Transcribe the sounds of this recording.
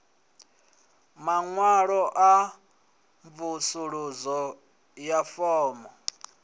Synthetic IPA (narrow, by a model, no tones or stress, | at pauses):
maŋwaɺɔʔa | ɱvusuɺuzɔ | jafɔːmɔ